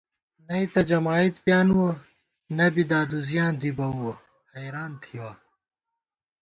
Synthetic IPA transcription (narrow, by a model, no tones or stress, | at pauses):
nɐit̪ɐd͡ʑɐmaːit̪pjaːnwo | nɐbid̪aːd̪uzjãːnd̪ibɐwwo | hɐjɾaːnt̪ʰiwaː